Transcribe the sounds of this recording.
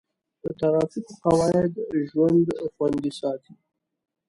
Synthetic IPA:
d̪̥ət̪aɾɑfikoqawɑɪd̪ʒwand̪xwand̪isɑt̪i

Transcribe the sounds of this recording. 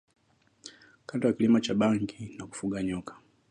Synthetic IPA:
kantɔjakilimat͡ʃaɓaŋɡinaku̥fuɠaɲɔkʰḁ

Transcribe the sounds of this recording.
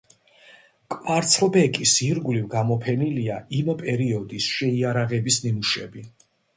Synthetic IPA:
kʼvaɾt̪sʰlbɛkʼisiɾɡulivɡamɔpʰɛniliaʔimpʼɛɾiɔd̪isʃɛiaɾaʁɛbisnimuʃɛbi

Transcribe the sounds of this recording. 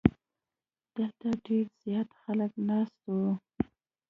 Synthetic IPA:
d̪̥əlt̪aɖeɾz̥jɑt̪xaləknɑst̪o

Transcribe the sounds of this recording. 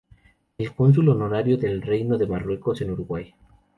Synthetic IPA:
elko̞ns̬ulonoɾaɾjoðe̞lrejnoðemarwe̞ko̞senuɾuɣwaj

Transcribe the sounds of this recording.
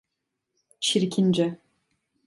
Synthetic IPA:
t͡ʃʰiɾkʰʲind͡ʒɛ

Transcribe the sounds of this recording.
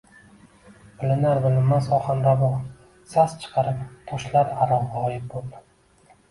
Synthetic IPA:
b̥ɪlɪnaɾbɪlɪmmːasɒχanɾabɒ | sast͡ʃʰɨ̥qʰɑɾɪpt̪ʰoʃlaɾaɾɒʁʁɑɒjɪp̚bol

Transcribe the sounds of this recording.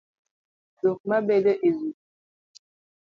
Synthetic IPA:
zok̚mabɛləʔezu

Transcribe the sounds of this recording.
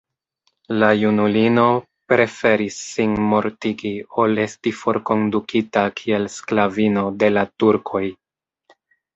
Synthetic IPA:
lajunulino̞ | pɾe̞fe̞ɾisːinmo̞ɾtiɡio̞le̞stifo̞ɾko̞ndukʰitakʰie̞lsklavino̞de̞latuɾkʰo̞j

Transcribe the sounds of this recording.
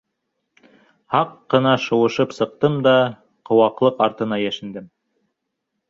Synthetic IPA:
hɑqːɤ̆nɑʃŏwɤ̆ʃɤpsɤ̆q̚t̪ɤmd̪ɑ | qŏwɑqlˠɤqɑɾt̪ɤ̆nɑjæʃɘ̆nd̪ɘm

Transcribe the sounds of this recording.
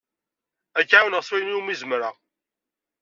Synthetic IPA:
ækːʕawnəʁswæjniumizəmɾa

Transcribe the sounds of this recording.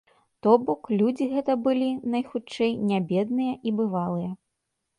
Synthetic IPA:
t̪ɔbɔklʲud͡zʲiɣɛt̪ɐbɨlʲinɐjxut͡ʂɛjnʲabʲɛd̪nɨjɐʔibɨvalˠɨjɐ

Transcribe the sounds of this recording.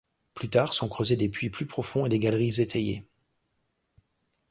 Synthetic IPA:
plyt̪aːʁsɔ̃kχøzed̪epɥiplypχɔfɔ̃ed̪eɡʲalʁizet̪ʰejḛ

